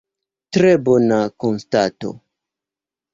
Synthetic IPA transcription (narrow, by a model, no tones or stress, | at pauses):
tɾebonakonstato̞̰